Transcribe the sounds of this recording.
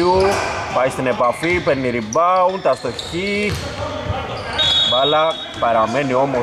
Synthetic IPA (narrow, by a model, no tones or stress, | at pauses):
upajst̪inepafipenːiɾibawnt̪ast̪oçi | bala | paɾameniomo